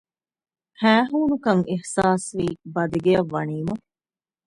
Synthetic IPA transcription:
hæːɦuːnukɐŋihsaːsʋiːbɐd̪iɡejɐʋːɐniːmɐ

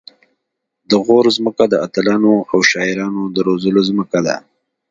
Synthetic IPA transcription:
d̪əɣoɾzməkad̪əat̪əlɑnoawʃɑɪɾɑnod̪əɾozəlozməkad̪a̰

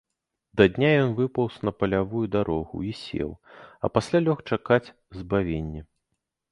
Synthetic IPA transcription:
d̪ɐd̪ʲnʲajɔnvɨpɐwsnɐpɐlʲavujud̪aɾɔɣṵisʲḛwɐ̰pasʲlʲalʲɔxt͡ʂakat͡sʲ | zbavʲenʲːɛ

